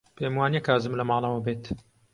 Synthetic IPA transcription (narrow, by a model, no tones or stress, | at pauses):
pʰeːmwaːnjekaːzɨmlɐmɑːlˠɐwɐbeːt̪